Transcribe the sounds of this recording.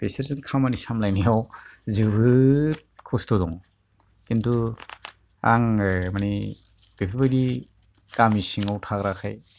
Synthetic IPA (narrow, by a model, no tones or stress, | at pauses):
peseɾsɯnkʰamanisamlajnijawzɯbɯt̚kʰɔstɔdɔŋ | kintu | aŋmani | b̥epʰabadi | kamisiŋawtʰakɾakʰaj